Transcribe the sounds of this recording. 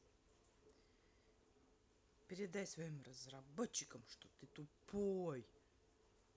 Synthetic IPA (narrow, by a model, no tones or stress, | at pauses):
pʲɪɾʲɪd̪ajsvɐimrəzrɐbot͡ɕːɪkəmʂt̪ot̪ɨt̪upoj